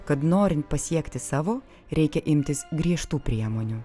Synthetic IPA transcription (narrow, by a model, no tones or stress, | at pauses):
kɐt̪noːɾʲɪnt̪̚pɐsʲiɛkt̪ʲɪsɑːʋoː | ɾʲɛɪkʲɛʔɪmʲt̪ʲɪsɡɾʲiɛʃt̪uːpʲɾʲiɛmoːnʲʊ